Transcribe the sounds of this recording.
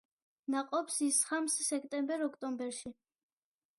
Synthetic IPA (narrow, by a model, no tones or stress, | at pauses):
naqʼɔpsisχamssɛkʰʼt̪ʼɛmbɛɾɔkʰt̪ʼɔmbɛɾʃi